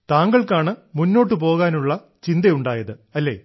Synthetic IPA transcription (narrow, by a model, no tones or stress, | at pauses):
t̪aːŋɡɐɭkaːɳɨmunːo̞ːʈːɨp̬o̞ːɣaːnuɭːɐ | t͡ɕind̪ɐjuɳɖaːjɐðɨɐlːe̞̰ː